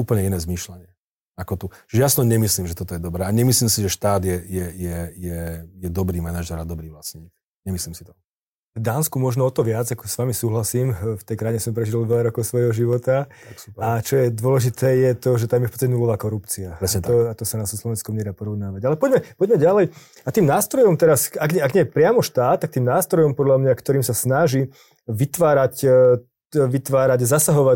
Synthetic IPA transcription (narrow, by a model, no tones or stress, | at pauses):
uːpəlɲɛinɛːzmiʃlaɲɪɛ | akɔt̪ujasnɔɲɛmisliːmʒɛt̪ɔt̪ɔjɛd̪ɔbɾɛːaɲɛmisliːmsiʒɛʃt̪aːd̪jɛjɛjɛjɛjɛd̪ɔbɾiːmanaʒɛɾad̪ɔbɾiːʋlasɲiːk | ɲɛmisliːmsi̥t̪ɔ̥ | vd̪aːnskumɔʒnɔɔt̪ɔʋɪad͡zakɔ̥sʋamisuːɦlasiːmft̪ɛjkɾajiɲɛsɔmpɾɛʒid̪lʋɛlaɾɔkɔʊsʋɔjɦɔʒiʋɔt̪aaksat͡ʃɔjɛd̪ʊɔlɛʒit̪ʰɛːjɛt̪ɔʒɛt̪amjɛfpɔt͡st̪acɛnulɔʋaːkɔɾupt͡siat̪ɔat̪ɔsanasslɔʋɛnskɔmɲɛd̪apɔɾɔʊnaːʋaɟalɛpɔɟmɛpɔɟmɛɟalɛj | at̪iːmnaːst̪ɾɔjɔmt̪ɛɾasaɡɲɛaɡɲɛjɛpɾɪamɔʃt̪aːt̪ːakt̪iːmnaːst̪ɾɔjɔmpɔd̪lamɲakt̪ɔɾiːmsasnaʒi | ʋit̪ʋaːɾac | ʋit̪ʋaːɾaɟzasaɦɔʋa